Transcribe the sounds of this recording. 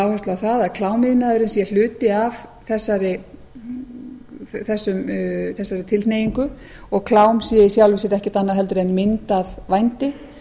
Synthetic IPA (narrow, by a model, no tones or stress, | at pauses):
awhast̪laawθaðaðkʰlaːwmɪðnaðʏɾɪnsjɛl̥ʏːt̪ɪavθɛsːaɾɪ | θɛsːʏmθɛsːaɾɪt̪ʰɪlθneːjiŋkʏ | ɔɣkʰlaːwmsiaɪsjawlvɪsɪɾɛhcɪt̪anːaðɦɛlt̪ʏɾɛnmɪnt̪aðvajnt̪ɪ